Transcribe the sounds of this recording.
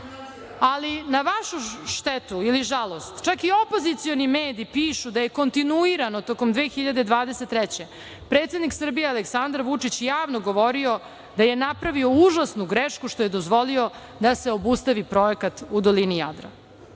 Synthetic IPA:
alinaʋaʃuʃt̪ɛt̪uiliʒalˠo̞st̪t͡ʃakio̞po̞zit̪sio̞nimeːd̪ipiːʃud̪aje̞ko̞nt̪inuiɾano̞t̪oko̞md̪ʋe̞ːxiʎad̪ed̪ʋaːd̪eset̪ːɾɛt͡ɕe̞ | pɾet̪se̞d̪niksr̩bijealeksand̪aɾʋut͡ʂit͡ɕjaːʋnoɡo̞ʋo̞ɾio̞ | d̪aje̞napɾaʋio̞uʒasnuɡɾeʃkuʃt̪oje̞d̪o̞zʋo̞lio̞ | d̪ase̞o̞bust̪aʋipɾo̞ekat̪ud̪olinija̰d̪ɾa̰

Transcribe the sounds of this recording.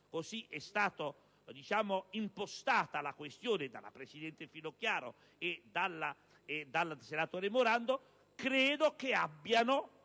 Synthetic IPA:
kosiʔɛst̪aːt̪o | d̪it͡ʃaːmoimpost̪aːt̪alakwest̪joːned̪a̰la̰pɾesid̪ɛnt̪efilokjaːɾo̰ | ed̪alːa | ɛd̪alːsenat̪oːɾemoɾand̪o | kɾɛːd̪okeabːjano

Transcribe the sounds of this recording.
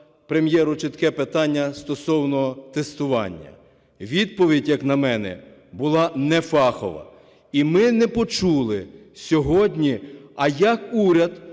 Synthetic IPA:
pɾemjɛɾʊt͡ʃɪt̪kɛpet̪ɑnʲːɐst̪ɔsɔwnɔɦɔt̪est̪ʊʋɑ̰nʲːɐ̰ | ʋʲid̪̚pɔʋʲidʲjɐknɐmɛnɛ̰bʊlˠɑnɛfɑxɔ̰ʋɐ̰ | imɪnɛpɔt͡ʃulˠɪsʲɔɦɔdʲnʲiɐjɐkuɾʲɐd̪

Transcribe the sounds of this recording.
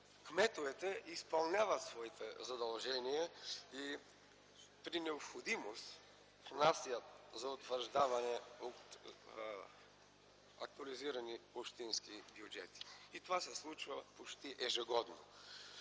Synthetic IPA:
kmɛt̪ovɛt̪ɛʔispɐlˠnʲavɐt̪svɔit̪ɛzɐd̪ɐlˠʒɛnijɛi | pɾinɛopxod̪imost̪ | fnasijəzɐot̪vəɾʒd̪avɐnɛot̪ | ɐ̰k̚t̪uɐliziɾɐniopʃt̪inskibjud͡ʒɛ̰t̪i̥it̪ovasɛslˠut͡ʃvɐpot͡ʃt̪iʔɛʒɛɡɔd̪no̰

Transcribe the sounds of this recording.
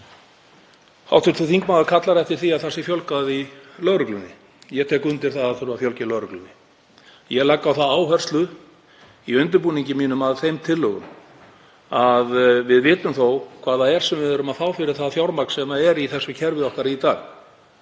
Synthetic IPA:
ha̰wht̪ʰʏst̪ʰʏθiŋkmaːðaɾkʰat̪laɾɛft̪ɪɾ̥θiaðθasɪfjɔlkaðilœɣɾʏklʏnːɪ | jɛt̪ʰɛːkʏnt̪ɪɾ̥θaðaθʏɾʏvafjɔlcɪlœɣɾʏklʏnɪ | jɛlakːawθaðaːwɦœr̥st̪lʏ | iʏnt̪̬ʏɾpuːniɲcɪmiːnʏmaðθejmt̪ʰɪlːœɣʏ̰m | aðvɪðvɪːt̪ʏmθowkʰvaːðaɛɾ̥sɛmvɪðʏɾʏmaðfaːwfɪɾɪɾ̥θaðfjawɾmakn̥sɛmaɛɾiθɛsːʏcʰɛɾvɪðɔhkaɾiit̪aːɣ

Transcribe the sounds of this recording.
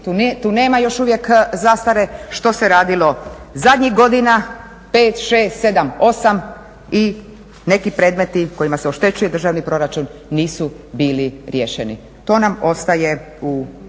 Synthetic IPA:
t̪ut̪uːne̞ːmajo̞ʃuʋje̞kzast̪aɾe̞ʃt̪o̞se̞ɾaːd̪ilo̞ | zad̪ʲɲixɡo̞d̪ina | pe̞ːt̪ʃe̞ːst̪se̞d̪amo̞sam | i | ne̞kipɾe̞ːd̪me̞t̪iko̞jimaseoʃt̪e̞t͡ʃuje̞d̪r̩ʒaʋnipɾo̞ɾat͡ʃunːiːsubiːliɾjeʃenḭ | t̪o̞ːnamo̞st̪aje̞ | u

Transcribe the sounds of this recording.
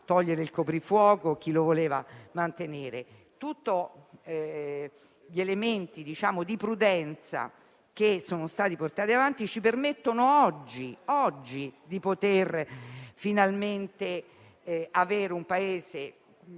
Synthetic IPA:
t̪ɔʎːeɾeilkopɾifwɔːkok̟ːilovoleːva̰mant̪eneːɾe | t̪ut̪ːo | ʎielement̪id̪it͡ʃaːmod̪ipɾud̪ɛnt̪sa̰ | k̟esoːnost̪aːt̪iport̪aːt̪iavant̪it͡ʃipermet̪ːonoɔd͡ʒːiɔd͡ʒːid̪ipot̪erfinalment̪e | aveːɾeumpaeːze

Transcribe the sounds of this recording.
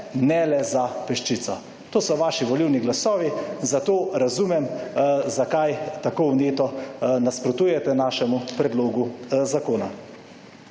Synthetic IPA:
nɛlɛzapɛʃt͡ʃit̪sɔ | t̪oːsɔʋaːʃiʋɔliwniɡlasɔːʋizat̪oːɾazuːmɛmzakajt̪akowneːt̪ɔnaspɾɔt̪uːjɛt̪ɛnaːʃɛmupɾɛd̪loːɡuzakoːna

